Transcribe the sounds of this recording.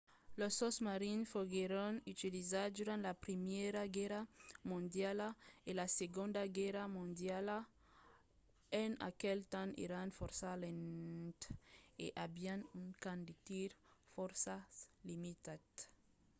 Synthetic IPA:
lososmaɾinfoɡeɾonyt̪ilizaɾd̪uɾãnt̪lapɾimeɾaɡɛɾamũnd̪jalaelaseɡõnd̪aɡɛɾamũnd̪jala | ena̰kelt̪anḛɾanfoɾsalent̪eʔabianunkãnd̪it̪iɾfoɾsalimit̪at̪

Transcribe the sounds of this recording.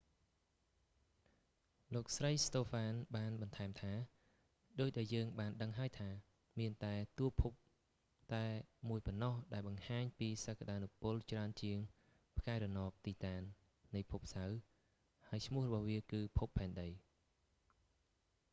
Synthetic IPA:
loːk̚srəjst̪oːfaːnɓaːnɓɑnt̪ʰaɛmt̪ʰaː | ɗoːc̚ɗaɛljəːŋɓaːnɗəŋɦaəjt̪ʰaː | miənt̪aɛt̪uəpʰup̚ | t̪aɛmuəjpɔnːɑhɗaɛlɓɑŋhaːɲpiːsəkːaɗaːnupʊlt͡ɕraənt͡ɕiəŋ | pʰkaɛɾɑnoːp̚t̪iːt̪aːnː | ɨjpʰup̚saw | haəjt͡ɕʰmʊ̆əhrɔɓɑhʋiəkɨːpʰupʰːaɛnɗəj

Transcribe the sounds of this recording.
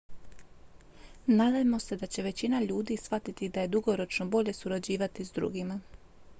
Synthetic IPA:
naːd̪ajemo̞se̞d̪at͡ɕe̞ʋe̞t͡ɕinaʎuːd̪isʋat̪it̪id̪aje̞d̪uɡo̞ɾo̞t͡ʃnobo̞ʎe̞suɾad͡ʑiːʋat̪izd̪ɾṵɡima

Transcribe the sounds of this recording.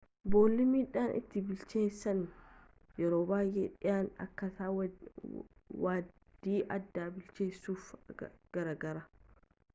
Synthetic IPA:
bo̞ːlːɪmiːᶑaːnʔɪ̰t̪ːɪbɪlt͡ʃe̞ːsːɐn | jɛɾoːbaːjḛːᶑɪjaːnɐ̰kːɐsaːw | waː | d̪̥iːʔɐd̪ːaːbɪlt͡ʃe̞ːsːuːfɡ̥ɐɾaːɡɐɾɐ

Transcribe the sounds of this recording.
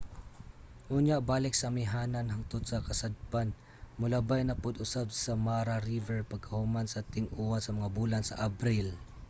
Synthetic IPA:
hʊɲaʔbaːlɪk̚sɐmɪɦaːnanɦaŋt̪ʊd̪sɐkɐsad̪̚pan | mʊlabajnɐpʊd̪ʊsab̚sɐmaːɾaɾivɛɹpɐɡ̚kɐhʊmansɐt̪ɪŋʔuansɐmɐŋabuːlansɐ̰ʔɐbɾɪl

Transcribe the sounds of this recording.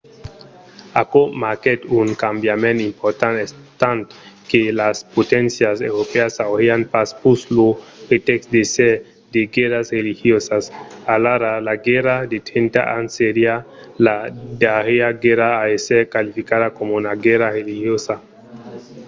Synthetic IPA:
akomaket̪uŋkambjamenimpoɾt̪anes | t̪ant̪kelaspot̪ensjasewɾopeasawheanpaspuslopet̪eksd̪ese | d̪eɡeɾasrelixjosasalaɾalaɡeɾad̪et̪ent̪a̰ʔanseɾialad̪aɣeaɡeɾaːeseɾkalifikaðakomunaɡeɾaɾelihjosa

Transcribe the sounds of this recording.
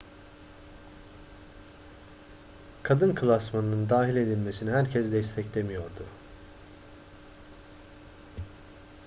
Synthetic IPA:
kʰad̪ɯnkʰɯlˠasmanɯnɯnd̪aːɦilʲe̞d̪ilʲme̞sinihæɾcʰɛzd̪ɛst̪ʰɛclʲemijo̞ɾd̪ʊ

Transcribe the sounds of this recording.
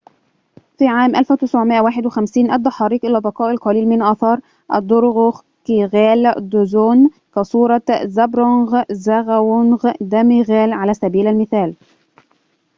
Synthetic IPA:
fiːʕaːmʔælfwt̪ɪsʕʊmɪʔæwaːħɪd̪wɪxæmsiːnʔæd̪ːɑħɑːɾiːkʔɪlæbɑqɑːʔɪlqɑliːlmɪnʔɑːθɑːɾˤ | ʔæ̰d̪ːʊɾɣoɣ | kiɣæːld̪ʊzoːn | kæsˤuːɾˤɑzæbɾonɣzæɣæwʊnɣd̪æmiɣæːlʕalæːsæbiːlælmɪθæːl

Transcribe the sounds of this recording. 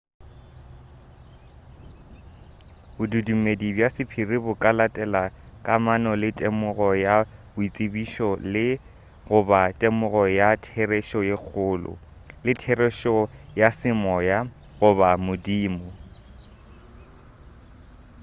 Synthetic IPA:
bʊdudumedibjasɪpʰirɪbʊkʼalatʼɛlakʼamanɔlɪtʼemʊɣɔjabʊit͡sʼɪbiʃɔlɪ | ɣʊbatʼemʊɣɔjatʰereʃɔjek͡xʰʊːlʊ̰ | lɪtʰerɛʃɔjasɪmɔːja | ɣʊbamʊdiːmʊ

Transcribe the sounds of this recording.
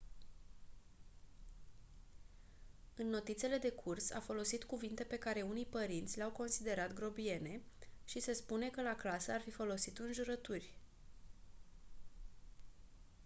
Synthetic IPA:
ɨnːo̞t̪it̪sele̞d̪e̞kʰursa̰fo̞lo̞sit̪kuvint̪e̞pe̞kaɾe̞unijpəɾint̪sʲleawko̞nsid̪e̞ɾat̪ɡɾo̞bie̞ne̞ | ʃise̞spune̞kəlaklasəarfifo̞lo̞sit̪ɨnʒuɾət̪urʲ

